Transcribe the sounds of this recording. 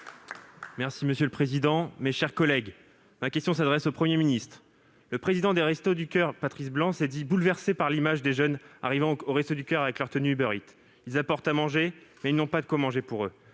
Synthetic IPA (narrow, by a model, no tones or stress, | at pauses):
mɛʁsiməsjøləpχezid̪ɑ̃meʃɛʁkɔlɛɡ | makʲɛst̪jɔ̃s̬ad̪ʁɛsopχəmjeminist̪χ | ləpχezid̪ɑ̃d̪eʁɛst̪od̪ykʲœʁpat̪χisblɑ̃sɛd̪ibulvɛʁsepaʁlimaʒd̪eʒœna̰ʁivɑ̃oʁɛst̪od̪ykʲœʁavɛklœʁt̪ənyybœʁit̪ | ilzapɔʁt̪amɑ̃ʒemɛilnɔ̃pad̪əkwamɑ̃ʒepuʁø